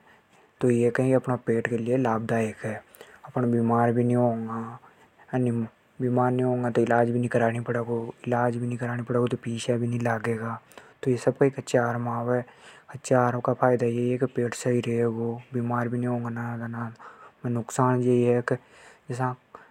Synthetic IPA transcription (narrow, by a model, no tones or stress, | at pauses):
t̪ojekɐɦĩɐpnapeːʈkelielaːb̚d̪aeːkɦɛːɐpnabiːmaːɾbʱinĩɦõːŋɡa | ni | biːmaːɾnĩɦõːŋɡat̪oɪlaːd͡ʒbʱinĩkɐɾaːɽipɽeːɡoɪlaːd͡ʒbʱinĩkɐɾaːnipəɽeːɡot̪opiːʃabʱinĩlaːɡeːɡaːt̪ojesɐbkaeːkɐtːʃʰaaːɾmãːwɛɐtːʃʰaaːɾkapʰaːɪd̪ajeiɦɛkipeːʈsaiɾeeːɡoːbiːmaːɾbʱinĩɦõːŋɡanaɡanamnʊksaːnjeiɦɛk | d͡ʒɪs̬ã